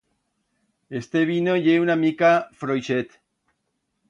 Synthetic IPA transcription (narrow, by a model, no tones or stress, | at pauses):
est̪eβinojeunamikafɾojʃet̪